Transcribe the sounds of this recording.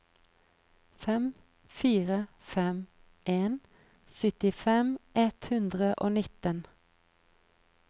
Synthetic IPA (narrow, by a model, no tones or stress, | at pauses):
fɛm | fiːʁə | fɛm | ʔeːn | sʏt̪ɪfɛmʔɛt̪hʉnd̪ʁəʔo̰ːnɪt̪ən